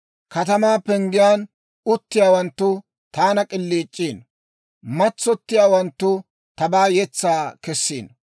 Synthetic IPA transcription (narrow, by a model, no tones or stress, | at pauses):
kɐt̪ɐmaːpɛŋɡɪjaːn | ʊt̪ːɪjaːwɐnt̪ːʊ | t̪aːnɐkʼɪlːiːt͡ʃʼːiːn | mɐt͡sːɔt̪ːɪjaːwɐnt̪ːʊ | t̪ɐbaːjɛt͡sːaːkɛsːiːn